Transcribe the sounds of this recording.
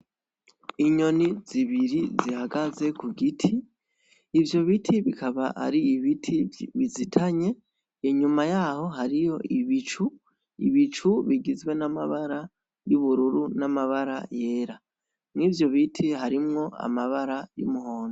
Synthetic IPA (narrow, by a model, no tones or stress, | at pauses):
iɲo̞niziβiɾizihaɡaze̞kuɡitʰiː | vjo̞βitʰiβikʰaβaa̰ɾiːβitʰiβizitʰaɲe̞ | iɲumajaho̞ɦaɾijo̞ʔiβit͡ʃu | ḭβit͡ʃuβiɡizwe̞namaβaɾa | juβuɾuɾunamaβaɾaje̞ːɾa | mŋivjo̞βitʰiɦaɾimŋo̞ʔa̰maβaɾajḭmuho̞ːno